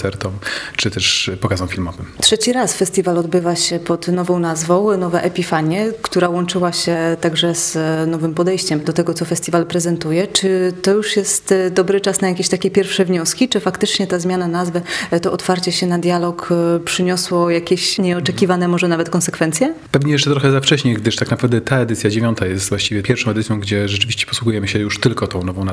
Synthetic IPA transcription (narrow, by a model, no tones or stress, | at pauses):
ɛɾt̪ɔmt͡ʂɨt̪ɛʂpɔkazɔ̃w̃fʲilmɔvɘmtʂɛt͡ɕiɾasfɛst̪ʲivalɔd̪bɘvaɕɛpɔt̪nɔvɔ̃w̃nazvɔ̃w̃nɔvɛʔɛpʲifaɲjɛkt̪uɾawɔnt͡ʂɘwaɕɛt̪aɡʐɛz̥nɔvɘmpɔd̪ɛjt͡ɕɛmd̪ɔt̪ɛɡɔt̪sɔfɛst̪ʲivalpɾɛzɛnt̪ujɛt͡ʂɘt̪ɔjuʂjɛst̪d̪ɔbɾɘt͡ʂasnajakʲeɕt̪akʲɛpʲjɛɾfʂɛvɲɔskʲit͡ʂɘfakt̪ɘt͡ʂɲɛt̪azmʲjananazvɛt̪ɔʔɔt̪faɾt͡ɕɛɕɛnad̪ʲjalɔkpʂɘɲɔswɔjakʲeɕɲɛɔtt͡ʂɛkʲivanɛmɔʐɛnavɛt̪kɔnsɛkfɛnt̪sʲjɛpɛvɲɛjɛs̬t͡ʂɛt̪ɾɔxɛzaft͡ʂɛɕɲejɡ̚d̪ɘʂt̪aknapɾavd̪ɛt̪aɛd̪ɘt̪sʲjad͡ʑevʲjɔnt̪ajɛst̪vwaɕt͡ɕivjɛpjɛɾfʂɔ̃ɛd̪ɘt̪sjɔ̃w̃ɡd͡ʑɛʐɛt͡ʂɘvʲiɕt͡ɕɛ̥pɔ̥swuɡujɛmɘɕɛjuʂt̪ɘlkɔt̪ɔ̃w̃nɔvɔ̃na